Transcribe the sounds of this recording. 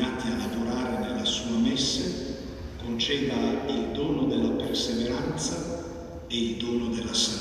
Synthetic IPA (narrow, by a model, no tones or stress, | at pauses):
aːt̪ialavoɾaːɾenelːasuːamɛsːe | kont͡ʃɛːd̪aild̪oːnod̪elːaperseveɾant̪sa | eild̪oːnod̪elːasa